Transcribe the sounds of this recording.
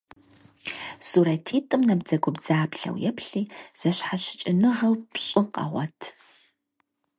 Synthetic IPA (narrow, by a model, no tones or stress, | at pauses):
suɾɐtʰiːtʼɨmnɐbd͡zɐɡʷʊbd͡zaːpɬɐ̰wjɛpʰɬiːz̥ɐɕħaɕɪ̥t͡ʃʼɪnɨʁɐwpɕʼɪqʼɐ̰ʁʷɔtʰ